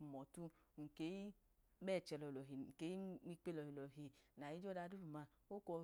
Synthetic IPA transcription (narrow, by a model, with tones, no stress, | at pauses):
u˨mɔ˨tu˧ŋ̩˨ke˨˦i˦ | mɛ˦˨t͡ʃɛ˧lɔ˨lɔ˨ɦi˨ke˨˦i˦ŋ͡mi˧k͡pe˦lɔ˨hi˨lɔ˨ɦe˨na˨ji˨˦d͡ʒɔ˦da˧˦du˦u˨ma˧ | o˦kɔ˧